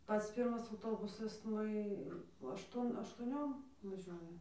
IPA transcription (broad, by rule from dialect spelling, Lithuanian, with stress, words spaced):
ˈpɐts ˈpʲiːrmɐs ɐʊˈtoːbʊsɐs ˈnʊ ɪ ɐʃˈtuɔn ɐʃtuɔˈnʲoːm ʋɐˈʒʲuɔjɛ